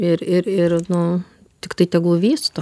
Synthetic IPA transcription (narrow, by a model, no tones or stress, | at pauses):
ɪɾɪɾɪɾnʊ | t̪ʲɪkt̪ɐɪt̪ʲɛɡlˠʊʋʲiːst̪o